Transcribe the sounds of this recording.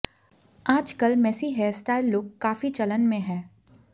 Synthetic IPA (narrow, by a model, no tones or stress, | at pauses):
aːd͡ʒkəlmɛːsiɦɛsʈaːɪlːoːɡ̚kːaːfit͡ʃɐlənmẽɦɛ̃ː